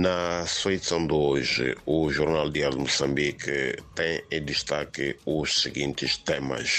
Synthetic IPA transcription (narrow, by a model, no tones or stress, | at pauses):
nɐsesɐ̃w̃d̪oʒɨ̰uʒuɾnalˠd̪iaɾud̪umusɐ̃mbikɨt̪ẽj̃ed̪ɨʃt̪akɨuʃsɨɡĩnt̪ɨʃt̪emɐ̰ʃ